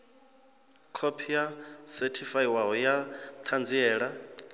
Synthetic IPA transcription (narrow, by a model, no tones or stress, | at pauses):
kʰopʰijasɛtʰifaiwaɦɔjat̪ʰand͡ziɛːɺa